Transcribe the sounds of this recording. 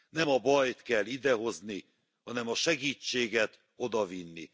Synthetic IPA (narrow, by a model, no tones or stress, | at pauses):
nɛmɒbɒjt̪kɛlːid̪ɛɦo̞zni | hɒnɛmɒʃɛɡiːt͡ʃːeːɡɛt̪ | o̞d̪ɒvinːḭ